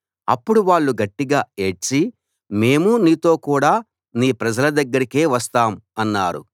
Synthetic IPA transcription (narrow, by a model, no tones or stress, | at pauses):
ɐ̰pːuɽuʋaːɭːuɡɐʈːiɡaːe̞ːʈt͡ʃi | me̞ːmuniːt̪o̞ːkuːɽaː | niːpɾɐd͡ʒɐlɐd̪ɐɡːɐɾikeːʋɐst̪aːmɐnːaːɾṵ